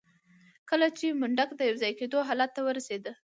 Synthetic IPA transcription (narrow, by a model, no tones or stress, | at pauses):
kəlat͡ʃemʊɳɖakd̪əjawzɑjked̪oɦɑlat̪ːawəɾased̪ə